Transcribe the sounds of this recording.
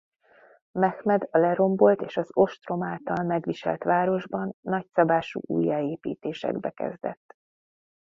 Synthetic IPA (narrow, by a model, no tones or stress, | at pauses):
mɛxmɛd̪ɒlɛɾo̞mbo̞lt̪eːʃɒzo̞ʃt̪ro̞maːlt̪ɒlmɛɡʋiʃɛ̰lt̪ʋaːɾo̞ʒbɒnːɒcsɒbaːʃṵːʔṵːjːaeːpiːt̪eːʃɛ̰ɡbɛkɛ̰zd̪ɛ̰t̪ː